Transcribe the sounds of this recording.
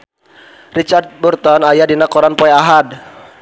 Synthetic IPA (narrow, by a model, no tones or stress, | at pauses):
rit͡ʃart̪̚burt̪ɔnajadinakɔɾanpɔɛaɦad